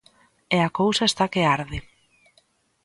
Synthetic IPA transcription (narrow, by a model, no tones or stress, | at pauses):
eakowsaest̪akeaɾðe